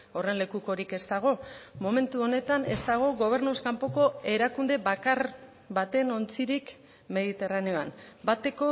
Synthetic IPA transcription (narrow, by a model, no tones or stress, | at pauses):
o̞re̞nle̞kuko̞ɾike̞st̪aɣ̞o̞mo̞me̞nt̪uo̞ne̞t̪ane̞st̪aɣ̞o̞ɣo̞β̞e̞ɾnuskampo̞ko̞e̞ɾakund̪e̞βakaɾ | βat̪e̞no̞nt͡siɾik | me̞ðit̪e̞raneoa̰nbat̪e̞ko̞